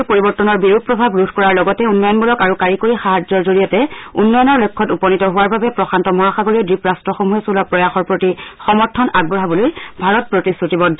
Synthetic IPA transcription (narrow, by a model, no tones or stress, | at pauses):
poɹibɔɹtːɔnɔɹbiɹupɹɔbʱabɹudʱkɔɹaɹlɔɡɔtɛunːɔjɔnbulɔkaɹukaɹikoɹixaɦad͡ʒɔɹzoɹijɔtɛunːɔjɔnɔɹlojkʰːɔtupɔnitɔɦʊwaɹbabɛpɹɔxʰantɔmɔɦaxaɡoɹiɔdɹipɹastɹɔxomuɦɛsulɔpɹɔjaxɔɹpɹotixɔmɔɹtʰːɔnaɡ̚bɹɔɦabulojbʱaɹɔt̚pɹotisutibɔdʱɔ